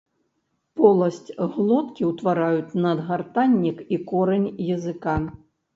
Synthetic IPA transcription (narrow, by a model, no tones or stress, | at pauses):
pɔlˠɐsʲt͡sʲɣlˠɔt̪kʲiwt̪vaɾajut͡sʲnɐd̪ɣart̪anʲːikikɔɾɛnʲjɐzɨka